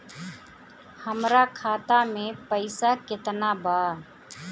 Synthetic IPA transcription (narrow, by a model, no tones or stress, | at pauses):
həmɾakʰaːt̪amẽpəɪsakɪt̪naba